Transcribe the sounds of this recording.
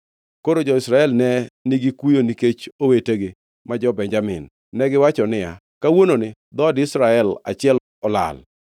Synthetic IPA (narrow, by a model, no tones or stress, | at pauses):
koɾod͡ʒɔɪsɾaɛlnɛnɪɡɪkujoniket͡ʃoweteɡɪ | mad͡ʒɔbɛɲd͡ʒamɪ̰nː | ɛɡɪwat͡ʃɔnɪja̰ | kawononɪ | d̪ɔdɪsɾaɛla̰t͡ʃɪɛl | ɔla̰l